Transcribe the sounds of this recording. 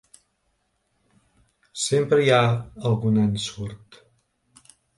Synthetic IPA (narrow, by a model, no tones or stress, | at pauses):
sempɾəjaəlˠɣunansuɾt̪